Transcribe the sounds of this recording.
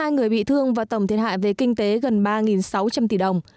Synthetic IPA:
aː˧jŋɨ˨˩əjɓḭ˧˨t̪ʰɨ˧əŋvaː˨˩t̪ə˧˩wŋ͡mt̪i˨˩əha̰ː˧˨jve˨˩kï˧ŋ̟t̪e˨˦ɣə˨˩nɓaː˧ŋi˨˩nsa˨˦wt͡ɕa˧mt̪i˧˩ɗə˨˩wŋ͡m

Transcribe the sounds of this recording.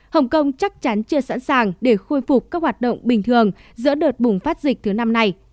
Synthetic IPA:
hə˨˩wŋ͡mkə˧wŋ͡mt͡ɕa˦˥k̚t͡ɕa˨˦nt͡ɕɨ˧əsa̰ː˧˥nsaː˨˩ŋɗe˧˩xo˧jfʊ˨˩k͡p̚kːaː˦˥k̚hwaː˨˩t̚ɗə̰˧˨wŋ͡mɓï˨˩ŋ̟t̪ʰɨ˨˩əŋzɨ̰˧˥ɗəː˨˩t̚ɓʊ˨˩ŋ͡mfaː˦˥t̚zï˨˩k̚t̪ʰɨ˨˦na˧mna˧j

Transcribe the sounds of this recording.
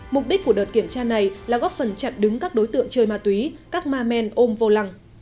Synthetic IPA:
mʊ˨˩k͡p̚ɗi˦˥k̟ku˧˩əɗəː˨˩t̚ki˧˩əmt͡ɕaː˧na˨˩jlaː˨˩ɣɔː˦˥p̚fə˨˩nt͡ɕa˨˩t̚ɗɨ˨˦ŋkaː˦˥k̚ɗo˨˦jt̪ɨ̰˧˨əŋt͡ɕəː˧jmaː˧t̪wi˨˦kaː˦˥k̚maː˧mɛ˧nʔo˧mvo˧la˨˧˩ŋ

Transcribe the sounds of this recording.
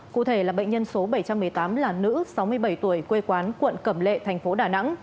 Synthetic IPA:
kṵ˧˨t̪ʰe˧˩laː˨˩ɓə̰˧˨ŋ̟ɲə˧nso˨˦ɓə˧˩jt͡ɕa˧mːɨ˨˩əjt̪aː˨˦mlaː˨˩nɨ̰˧˥sa˨˦wmɨ˧əjɓə˧˩jt̪u˧˩əjkwe˧kwaː˨˦nkwə̰˧˨nkə˧˩mlḛ˧˨t̪ʰɛ˨˩ŋ̟fo˨˦ɗaː˧˩na̰˧˥ŋ

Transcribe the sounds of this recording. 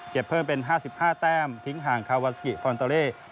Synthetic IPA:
ke˨˩pʰːɤː˥˩mpe˧nɦaː˥˩si˨˩p̚haː˥˩t̪ɛː˥˩mt̪ʰi˦˥ŋɦaː˨˩ŋkʰaː˧wa˦˧t̪̚sʰa˧ki˨˩fɔː˧nt̪aː˧leː˥˩

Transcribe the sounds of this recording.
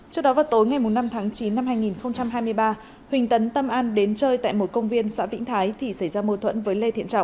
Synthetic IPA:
t͡ɕɨ˧˥ək̚ɗɔ˨˦vaː˨˩wt̪o˨˦jŋa˨˩jmʊ˨˩mna˧mt̪ʰaː˨˦ŋt͡ɕi˨˦nːa˧mhaː˧jŋi˨˩nxə˧wŋ͡mt͡ɕa˧mɦaː˧jmɨ˧əjɓaː˧ | hwï˨˩ŋ̟t̪ə˨˦nt̪ə˧mʔaː˧nɗe˨˦nt͡ɕəː˧jt̪a̰ː˧˨jmo˨˩t̚kə˧wŋ͡mvi˧ənsa̰ː˧˥vḭ˧˥ŋ̟t̪ʰaː˨˦jt̪ʰi˧˩sa˧˩jzaː˧mo˧t̪ʰwə̰˧˥nvəː˨˦jle˧t̪ʰḭ˧˨ənt͡ɕa̰˧˨wŋ͡m

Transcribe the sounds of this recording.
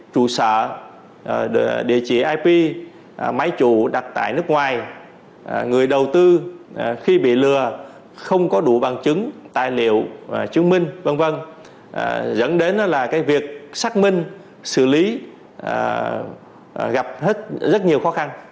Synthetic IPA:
t͡ɕṵ˧˩səː˧˨ | ɗḭ˧˨ət͡ɕḭ˧˩ʔaː˧jpi˧ | ma˨˦jt͡ɕu˧˩˨ɗa˨˩t̚t̪a̰ː˧˨jnɨ˦˥ək̚ŋwaː˨˩j | ŋɨ˨˩əjɗə˨˩wt̪ɨ˧xi˧ɓḭ˧˨lɨ˨˩ə | xə˧wŋ͡mkɔ˨˦ɗu˧˩ɓa˨˩ŋt͡ɕɨ˨˦ŋt̪a̰ː˧˨jlḭ˧˨əwt͡ɕɨ˨˦əŋmï˧ŋ̟və˧ŋvə˧n˧ | zə̰˧˥nɗe˨˦n˨˦laː˨˩kaː˨˦jvi˨˩ək̚saː˦˥k̚mï˧ŋ̟ | sɨ̰˧˩li˨˦˧ | ɣa˨˩p̚he˦˥t̚zə˦˥t̚ɲi˨˩əwxɔ˨˦xa˧n

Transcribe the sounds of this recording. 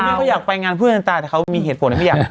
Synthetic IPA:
aː˥˩kɔ˥˩jaː˨˩k̚pa˧jŋaː˧npʰɯ˥˩˨nʔa˧t̪aː˧i˨˩ka˦˥wmiː˧ɦeː˨˩t̚pʰo˨˦nːʰ˧˩˥jː

